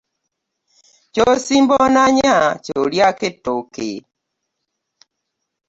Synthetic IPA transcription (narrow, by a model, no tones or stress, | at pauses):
t͡ʃosimbɔnaɲat͡ʃoɾjaketokḛ